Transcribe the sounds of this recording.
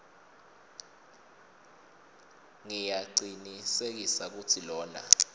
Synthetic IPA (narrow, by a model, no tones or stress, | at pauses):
ŋijaǀinisek̬isak̬utʰilɔːna̰